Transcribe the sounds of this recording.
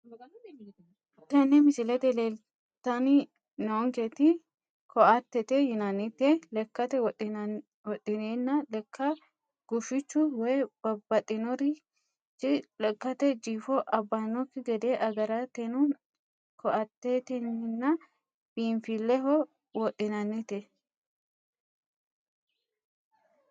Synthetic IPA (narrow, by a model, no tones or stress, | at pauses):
t̪ɛnːɪmɪsɪlɛt̪ɛleːl | t̪ɐnɪ | nɔɔŋket̪ɪ | kʰɔʔɐt̪ːɛt̪ejɪnɐnːɪt̪elɛkːɐt̪ɛw | wɔt̪ʼːɪneːnːɐlɛkʰːɐ | ɡ̥ʊfɪt͡ʃːʊwɛjb̥ɐbːɐt̪ʼɪnɔɾɪ | lɛkːɐt̪ɛd͡ʒiːfɔʔɐbːanɔkːɪɡɛd̪eːʔɐɡɐɾaːt̪ɛnʊn | kʰɔʔɐt̪ːeːt̪ɛnɪnːɐ | b̥iːnfilːɛhɔ | wɔt̪ʼːɪnɐnːɪt̪ɛ